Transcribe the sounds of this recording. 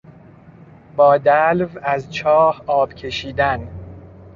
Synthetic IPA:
bɒːd̪ælvæzt͡ʃʰɒːhɒːbcʲʰe̞ʃiːd̪æn

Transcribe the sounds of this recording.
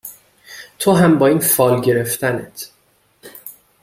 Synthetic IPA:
t̪ʰoɦæmbɒːiːnfɒːlɟe̞ɾe̞ft̪ʰænet̪ʰ

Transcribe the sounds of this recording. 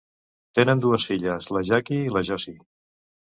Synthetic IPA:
t̪enənd̪uəsfiʎəsləʒakiːləʒɔsi

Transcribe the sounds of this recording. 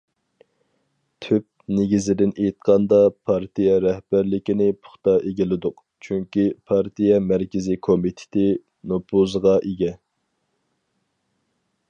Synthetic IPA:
t̪ʰyp̚neɡʲizɪd̪ɪnejt̪̚qʰɑnd̪ɑpʰɑɾt̪ʰijɛɾɛhb̥æɾlɪkʲinɪpʰʊ̥χt̪ɑʔeɡʲilɪd̪ʊq | t͡ʃʰyŋkʲipʰɑɾt̪ʰijɛmæɾkʲɪzɪkʰomit̪ʰɪ̥t̪ʰɪ | nopʰuzʁɑʔeɡʲɛ

